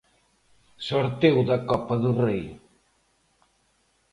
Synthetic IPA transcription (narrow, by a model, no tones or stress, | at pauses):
soɾt̪ewðɐkɔpɐðurej